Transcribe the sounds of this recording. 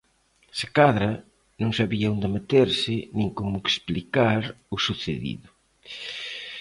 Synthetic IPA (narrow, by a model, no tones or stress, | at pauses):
sekaðɾɐ | nõŋsaβiaond̪emet̪eɾsɪnĩŋkomʊeksplikaɾʊsuθeðḭðʊ